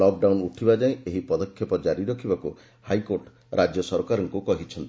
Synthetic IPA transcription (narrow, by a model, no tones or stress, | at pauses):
ɔk̚ɖawnuʈʰibad͡ʒaĩeɦipɔd̪ɔkʰjɔpɔd͡ʒaɾiɾɔkʰibaku | hajkoɾʈ | ɾʔad͡ʒjɔsɔɾkaɾɔŋkukɔɦit͡ʃʰɔnt̪i